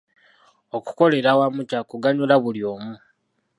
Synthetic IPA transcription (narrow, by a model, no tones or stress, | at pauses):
o̞ku̥ko̞le̞ɾawamucakuɡaɲulaβuljo̞ːmu